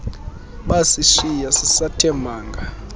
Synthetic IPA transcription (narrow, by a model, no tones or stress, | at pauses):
ɓasiʃijasisatʰɛmʱaːŋɡʱa